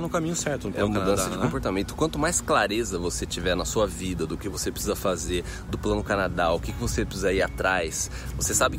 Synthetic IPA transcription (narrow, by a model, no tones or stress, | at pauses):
nʊkamĩɲʊsɛɾt̪ʊɛ̃mud̪ɐ̃sɐd͡ʒɪkõpoɾt̪amẽnt̪ʊ̥kwɐ̃nt̪ʊmajsklaɾezɐvoset͡ʃivɛɾnɐsuɐvid̪ɐd̪ʊkɪvosepɾɪsizɐfazeɾ | d̪ʊplɐ̃nʊkanad̪aʊkɪkɪvosepɾɪsizɐiɾat̪ɾajs | vosesabɪ